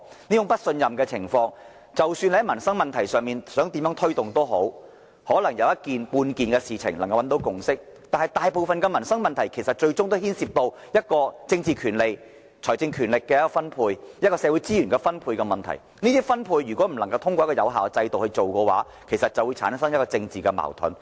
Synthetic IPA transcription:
niː˥t͡ʃʊ˥ŋpɐ˥t̚sɵ˧njɐ˨mkɛː˧t͡sʰɪ̰˨˩ŋfɔː˧ŋ | t͡sɐ˨wsyː˧nhɐ˧˦˥jmɐ˨˩nsɐ˥ŋmɐ˨nt̪ʰɐ˨˩jsœː˨˩ŋmiː˨˩nsœː˨˥ŋt̪iː˨˥mjœː˨˧˥ŋt̪ʰɵ˥ɥt̪ʊ˨ŋt̪o˥wɦo˨˥w | hɔː˨˥lɐ˨˩ŋjɐ˨˧wjɐ˥t̚kiː˨npuː˧nkiː˨˩nkɛː˧siː˨t͡sʰɪ˨˩ŋlŋkɐ˧wɐ˨˥nt̪o˨˧˥wkʊ˨˩ŋsɪ˥k̚t̪aː˨˩nhɐ˨jt̪aː˨jpo˨wfɐ˨nkɛː˧mɐ˨˩nsɐ˥ŋmɐ˨nt̪ʰɐ˨˩jkʰe˨˩jsɐ˨t̚t͡ʃɵ˧ɥt͡sʊ˥ŋt̪o˥whiː˥nsiː˧p̚t̪o˧w | jɐ˥t̚kɔː˧t͡sɪ˧ŋt͡siː˨kʰyː˨˩nle˨j | t͡ʃʰɔː˨˩jt͡sɪ˧ŋkʰyː˨˩nlɪ˨kːɛː˧jɐ˥kɔː˧fɐ˥npʰuː˧jjɐ˥t̚kɔː˧sɛ˨˧wu˨˥t͡siː˥jyː˨˩nkɛ˧fɐ˥npʰuː˧jkɛ˧mɐ˨˩nt̪ʰɐ̰˨˩j | niː˥t̪iː˥fɐ˥npʰuː˧jːyː˨˩kʷwɔ˨˦˥m̩˨˩lɐ˨˩ŋkɐ˧wt̪ʰʊ˥ŋkɔ˧jkɔ˧jɐ̰˨˧wɦaː˨wt͡sɐ˧jt̪o˨whɵ˧ɥt͡so˨wkɛː˧wa̰ː˨˥ | kʰe˨˩jsɐ˨t̚t͡sɐ˨wu˨˧jt͡sʰa̰ː˨˥nsɐ˥ŋjɐ˥kɔː˧t͡sɪ˧ŋt͡siː˨kɛ˧ma̰ː˨˩wt̪ʰʊ̰˨˥n

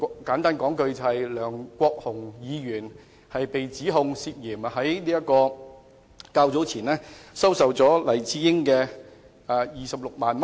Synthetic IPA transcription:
kaː˨˥nt̪aː˥nkɔː˨˥ŋkɵ˧ɥt͡sɐ˨hɐ˨jlœː˨˩ŋkʷɔː˧k̚hʊ˨˩ŋjiː˨˧ɥyː˨˩n | hɐ˨jpe˨jt͡siː˨˥ɦʊ˧ŋsiː˧t̚jiː˨˩m˧ɦɐ˨˥jliː˥jɐ˥t̚kɔː˧ | kaː˧wt͡so˨˥wt͡sʰiː˨˩nlɛː˥sɐ˥wsɐ˨wt͡sɔː˨˥lɐ˨˩jt͡siː˧˥jɪ˥ŋkɛː˧ | aː˧jiː˨˩sɐ˨p̚lʊ˨k̚maː˨nm˥

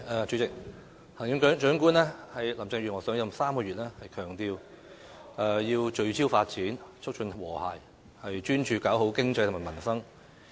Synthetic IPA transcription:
ɐː˨˧t͡ʃy˨˥t͡sɪ˨k̚ | hɐ˨˩ŋjɪ˨˥ŋt͡ʃœ˨˥ŋt͡ʃœː˨˥ŋkuː˥nlɛː˥hɐ˨jlɐ˨˩mt͡sɪ˧ŋɥyː˨nŋɔː˨˩sœː˨˥ŋjɐ˨˧saː˥mkɔː˧yː˨t̚lɛː˥hɐ˨jkʰœː˨˩ŋt̪iː˧w | ʔɛ˧jiː˧wt͡ʃɵ˨˧ɥt͡sʰiː˥wfaː˧t̚t͡siː˨˥nt͡ʃʰʊ˥t͡ʃʰɵ˧nwɔː˨˩ha̰ː˨˩j | hɐ˨jt͡ʃyː˥nt͡ʃʰyː˨kaː˨˥wɦo˨˥wkɪ˥ŋt͡sɐ˧jt̪ʰmaː˨˩mɐ˨˩nsɐ˥ŋ

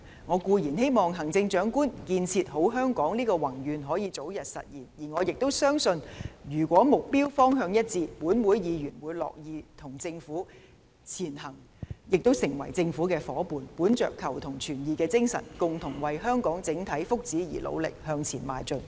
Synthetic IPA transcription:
ŋɔː˨˧kuː˧jiː˨˩nhe˥jmɔː˨˩ŋɦɐ˨˩ŋt͡sɪ˧ŋt͡ʃœː˨˥ŋkuː˥nkiː˧nt͡sʰiː˧t̚ɦo˨˥wɦœː˥ŋkɔː˨˥ŋliː˥kɔː˧wɐ˨˩ŋjyː˨˧nɦɔː˨˥jiː˨t͡so˨˥wjɐ˨t̚sɐ̰˨t̚jiː˨˩njiː˨˩ŋɔː˨˧jɪ˨k̚t̪o˥wsœː˥ŋsɵ˧njyː˨˩kʷɔː˨˥mʊ˨k̚piː˥wfɔː˥ŋɦœː˧ŋjɐ˥t̚t͡siː˧t̚puː˨˥nwuː˨˥jjiː˨˧jyː˨˩nwuː˨˧jlɔ̰ː˨k̚jiː˨˧t̪ʰʊ˨˩ŋt͡sɪ˧ŋfuː˨˥ | t͡sʰiː˨˩nhɐ˨˩ŋ | jɪ˨k̚t̪o˥wsɪ˨˩ŋwɐ˨˩jt͡sɪ˧ŋfuː˨˥kɛː˧fɔː˨˥puː˨˧npuː˨˥nt͡ʃœ̰ː˨kʰːɐ˨˩wt̪ʰʊ˨˩ŋt͡ʃʰyː˨˩njiː˨˧kɛː˧t͡sɪ˥ŋsɐ̰˨˩nkʊ˨ŋt̪ʰʊ˨˩ŋwɐ˨jɦœː˥ŋkɔː˨˥ŋt͡sɪ˨˧˥ŋt̪ʰɐ˨˥jfʊ˥k̚t͡siː˨˥jḭː˨˩lʔo̰˨˧wlɪ̰˨k̚hœː˧ŋt͡sʰiː˨˩nma̰ː˨˧jt͡sɵ˨˧n

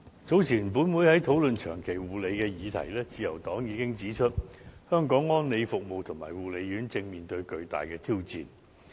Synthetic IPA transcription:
t͡so˨˥wt͡sʰiː˨˩np̬uː˨˥nwuː˨˥jhɐ˨˥jt̪ʰo˨˥wlɵ˨nt͡ʃʰœ̰ː˨˩ŋkʰe˨˩jwuː˨˩le˨˧jkɛː˧jiː˨˧t̪ʰɐ̰˨˩jlɛː˥t͡siː˧jɐ˨˩wt̪ɔː˨˥ŋjiː˨˧kɪ˥ŋt͡siː˨˥t͡ʃʰɵ˥t̚hœː˥ŋkɔː˨˥ŋːɔː˥nle˨˧jfʊ˨k̚mo˨wt̪ʰʊ˨˩ma̰ː˨˩jwuː˨˩le˨˧jɥyː˨˥nt͡sɪ˧ŋmiː˨nt̪ɵ˧ɥkɵ˧ɥt̪a̰ː˨jkɛː˧t̪ʰiː˥wt͡sḭː˨n

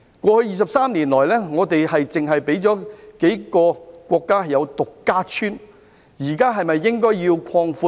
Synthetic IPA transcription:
kʷɔː˧hɵ˧ɥjiː˨˧s̬ɐ˨p̚saː˥mliː˨˩nlɔː˨˩jlɛː˥ŋɔː˨˧t̪e˨jhɐ˨jt͡sɪ˨ŋɦɐ˨jpe˨˥jt͡sɔː˨˥ke˨˥jkɔː˧kʷɔː˧kːaː˥hɐ˨jɐ˨˧wt̪ʊ˨kːaː˥t͡ʃʰyː˥n | jiː˨˩kaː˥ɦɐ˨jmɐ˨jːɪ˥ŋkɔː˥jjiː˧wkʷʰɔː˧ŋfuː˧

